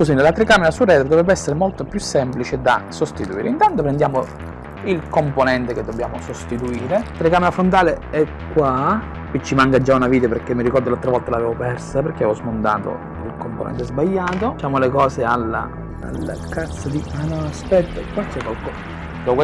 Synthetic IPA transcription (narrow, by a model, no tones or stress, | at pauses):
kos̬inlat̪ɾekaːmeɾasurɛːt̪ɾod̪ovɾɛbːeɛsːeɾemolt̪opjusːɛmplit͡ʃed̪asost̪it̪uiːɾḛint̪ant̪opɾend̪jaːmo | ilkomponɛnt̪eked̪ːobjaːmosost̪it̪uiːɾet̪ɾekaːmeɾafont̪aːleɛ | kːwa | ket͡ʃːimaŋkad͡ʒːaunaviːt̪aperk̟ːemːiɾikɔrd̪olalt̪ːɾavɔlt̪alaveːvopɛrsaperk̟ːeaeːvɔzmond̪a̰ːt̪o̰ | ilkomponɛ̰nt̪ɛzbaʎːaːt̪ot͡ʃaːmolekɔːsealːa̰ | a̰lːa̰kat̪sːad̪ianɔaspɛt̪ːakwat͡ʃːɛkːwalkɔs | d̪ɔk